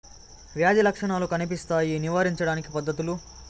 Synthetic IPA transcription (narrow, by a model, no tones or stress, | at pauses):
ʋjaːd̪ilɐkʂɐɳaːlukɐnipist̪aːjiniʋaːɾiɲt͡ʃɐɽaːnikipɐd̪ːɐt̪ulu